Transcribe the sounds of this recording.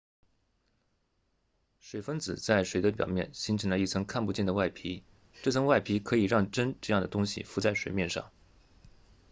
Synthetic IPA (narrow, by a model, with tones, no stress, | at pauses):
ʂwe˨˩ɪfə˥nt͡sɹ̩˨˩t͡sa˥˩ɪʂwe˨˩ɪd̪ə˦pjɑ˨˩ʊmjɛ̰˥˩nɕi˧˥ŋʈ͡ʂʰə˨˥ŋlə˧˦i˥˩t͡sʰɤ˧˥ŋkʰa˥˧npu˥t͡ɕjɛ˥˩nd̪ə˩wa˥˩ɪpʰi˧˥ | ʈ͡ʂɤ˥˩t͡sʰɤ˧˥ŋwa˥˩ɪpʰi˧˥kʰɤ˧˥i˨˩ɻɑ˥˩˧ŋʈ͡ʂə˥nʈ͡ʂɤ˥˧jɑ˥˩ŋd̪ə˩t̪ʊ˥ŋɕḭ˨fu˧˥t͡sa˥˩ɪʂwe˨˩ɪmjɛ˥˧nʂɑ̰˥˩ŋ